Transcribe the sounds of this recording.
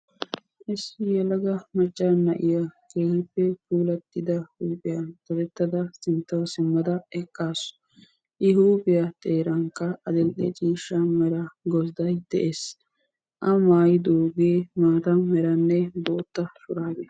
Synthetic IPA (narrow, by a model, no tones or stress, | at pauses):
ʔɪsːɪjɛlɐɡɐmɐt͡ʃʼːanːɐʔɪjɐkeːhɪpːɛfuːlɐt̪ːɪd̪ɐhuːpʼɪjɐt̪ɐd̪ɛt̪ːɐd̪ɐsɪnt̪ːɐwɐsɪmːɐd̪ɐɛkʼːaːsɔ̥ | ʔɪɦuːpʼɪjɐt̪ʼeːɾɐŋkːɐɐd̪ɛlʔɛt͡ʃʼiːʃːɐmɛɾɐɡɔsd̪ɐjd̪̥ɛʔes | ʔɐmaːjɪd̪oːɡeːmaːt̪ɐmɛɾɐnːɛboːt̪ːɐsʊɾaːɡɪ